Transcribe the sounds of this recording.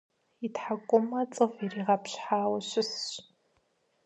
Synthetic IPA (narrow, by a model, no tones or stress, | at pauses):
itʰħakʷʼʊmɐt͡sʼɨfiriːʁɐpɕħaːwɐɕʊsɕ